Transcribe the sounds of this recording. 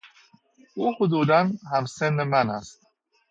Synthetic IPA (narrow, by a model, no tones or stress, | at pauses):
uhʊd̪ud̪anhamsɛnːəmana̰st̪̚